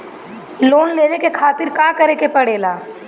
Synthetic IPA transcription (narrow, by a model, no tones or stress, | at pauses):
loːnleːʋekekʰaːt̪ɪɾkãːkɐɾekepɐɽeːlaː